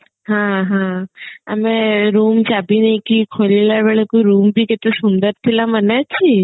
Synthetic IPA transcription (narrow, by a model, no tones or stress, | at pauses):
ɦãɦãəmeɾumt͡ʃabinəĩkikʰolilabeɭekoiɾumbʱiket̪osund̪əɾt̪ʰilamənet͡ʃʰi